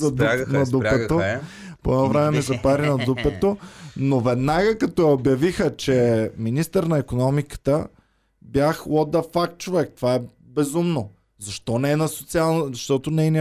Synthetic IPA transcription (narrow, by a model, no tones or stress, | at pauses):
ɐd̪nɐd̪upɛt̪o | poɛnɔvɾɛmɛmizɐpaɾinɐd̪upɛt̪onovɛd̪naɡəkɐt̪ɔjɐobjɐvixət͡ʃɛminist̪əɾnɐikonɔmikə̥t̪ə | bjaxwɔd̪ɐfakt̪̚t͡ʃovɛk̚t̪ovaɛ | bɛzumno | zɐʃt̪ɔnɛɛnɐsot̪sialˠnzɐʃt̪ɔt̪onɛɛn